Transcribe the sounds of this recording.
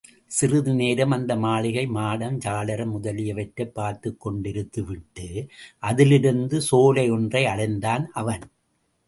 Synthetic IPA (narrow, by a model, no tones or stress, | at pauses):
sɪrɯðɯneːɾɐmɐnd̪ɐmaːɭɪɣɐɪmaːɽɐmd͡ʒaːlɐɾɐmʊðɐlɪjɐʋɐʈɾɐpːaːɾt̪ɯkːɔɳɖɪɾɯt̪ːɯʋɪʈːɯʔɐðɪlɪɾɯnd̪ɯsoːlɐɪɔndrɐɪɐɽɐɪnd̪aːnʔɐʋɐn